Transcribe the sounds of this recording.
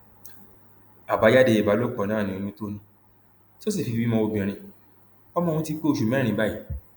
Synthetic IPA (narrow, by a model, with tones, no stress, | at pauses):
a˨ba˨˦d͡ʒa˦de˧e˨ba˨˦lo˦k͡pɔ˨nãː˦˨ĩ˨o˨˧mĩ˦to˦nĩ˧˦ | to˦s̬i˦˨fi˧bi˦mɔ̃˧o˧bĩ˨ɾ̃ĩ˧ | ɔ˦mɔ̃˦˧ũ˧˦ti˧k͡pe˦˨ʃu˨mɛ̃˦ɾ̃ĩ˨˦ba˦i˨˦